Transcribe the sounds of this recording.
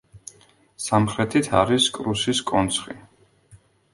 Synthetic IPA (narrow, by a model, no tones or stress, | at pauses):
samχɾɛt̪ʰit̪ʰa̰ɾiskʼɾusiskʼɔnt̪sʰχḭ